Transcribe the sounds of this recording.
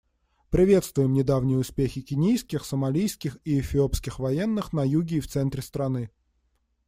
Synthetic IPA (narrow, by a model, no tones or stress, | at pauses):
pɾʲɪvʲe̞t̪st̪vʊjɪmnʲɪd̪avnʲɪjəʊspʲexʲɪkʲɪnʲijskʲɪxsəmɐlʲijskʲɪxiɪfʲɪopskʲɪxvɐjenːɨxnɐjuɡʲɪːft̪sɛnt̪ɾʲɪst̪ɾɐnɨ